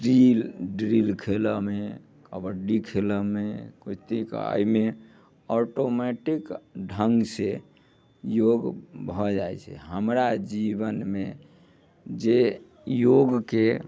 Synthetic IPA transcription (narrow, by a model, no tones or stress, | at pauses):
ɖɾilɖɾilkʰeləme | kəbəɖikʰeləmekot̪eka̰jme | ɔʈomɛʈikɖʱəŋɡse | joɡbʱɔd͡ʒaet͡ʃʰɛ̰ɦəmɾad͡ʒibənme | d͡ʒe | joɡke